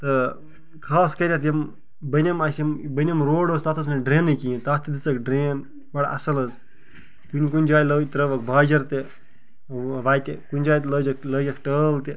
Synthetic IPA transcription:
t̪ɐ | kʰaːskɐɾʲat̪jɐm | bɐnʲɐmasmbɐnʲemɾoːɽost̪aːt̪ʰəs̬nɐɖɾeːnːɨkiĩt̪aːt̪ʰid̪it͡sɐkɖɾeːn | bɐɽa̰ʔɐ̰sɐlɐz | k̪unʲkunʲd͡ʒaːjlət̪ɾəʋɐk̚bʱaːd͡ʒɐɾt̪e | ʋaːjt̪ekunʲd͡ʒaːjt̪ləːd͡ʒɐkləːjɐkʰʈəːlt̪e

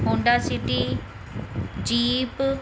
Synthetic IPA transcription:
õɳɖaːsiʈiː | d͡ʒiːp

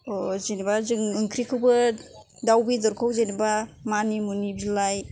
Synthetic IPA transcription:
ɔzenibazɯŋɯŋkʰɾikʰɯwbɯ | dawbidɔɾkʰawzenibamanimunibilaj

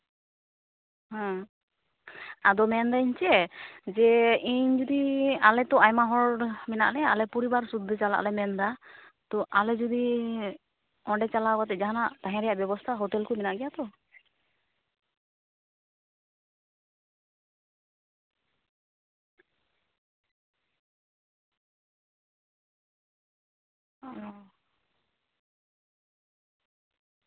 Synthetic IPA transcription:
hɔ̃ | ad̪ɔmɛnd̪aiɲt͡ʃɛd͡ʒɛiɲd͡ʒud̪ialɛt̪ɔajmaɦɔɽmɛna̰ʔlɛalɛpɔɾibaɾsud̪ʱːet͡ʃala̰ʔlɛmɛnd̪a | t̪ɔʔalɛd͡ʒud̪i | ɔ̃ɖɛt͡ʃalabat̪ɛd͡ʒaɦanaʔt̪aɦɛ̃ɾɛjaʔbjɛbɔst̪ʰaɦɔt̪ɛlkumɛnaʔɡɛjat̪ɔ

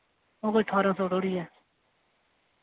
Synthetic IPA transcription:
oːɣoiːʈʰaːɾãːsoːɖoːɽiːɛː

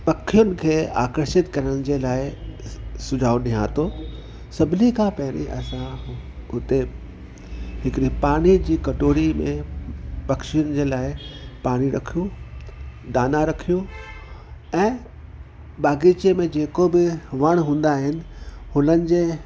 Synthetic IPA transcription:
pɐkʰijʊnɪ̆kʰeːaːkəɾʃɪt̪kɐɾəɽ̃ɪd͡ʑeːlaːɪ | sʊd͡ʑʱaːoɗĩɦãːt̪o | sɐbʱɪnikʰãːpɐɦɪɽ̃ḭʔɐ̰sãɦʊt̪e | ɦɪkɪɾipaːɽ̃id͡ʑiːkɐʈoːɾimḛ̃pɐkʃijʊnɪ̆d͡ʑeːlaːɪpaːɽ̃iɾɐ̰kʰijũ | d̪aːnãɾɐkʰijũ | ɛ̃ː | ɓaːɡit͡ɕiemẽd͡ʑeːkobɪʋɐɽ̃ɦũːn̆d̪aːɦɪnɪ̆hʊnənɪ̆d͡ʑeː

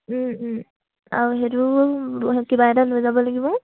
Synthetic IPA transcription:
a̰ɹuɦeɹu | kibaɛdalojzabɔlaɡibɔ

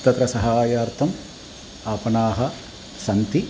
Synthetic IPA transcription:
t̪ɐt̪ɾɐsɐɦaːjaːɾt̪ʰɐm | aːpɐnaːɦɐ | sɐnt̪i

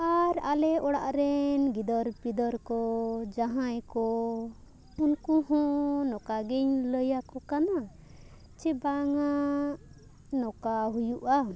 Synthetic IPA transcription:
aɾalɛʔɔɽaʔɾɛnɡid̪ɔɾpid̪ɔɾkɔd͡ʒaɦãjkɔ | unkuhɔ̃ʔnɔkaɡɛɲləjakɔkana | t͡ʃɛbaŋa | nɔkaɦujuʔa

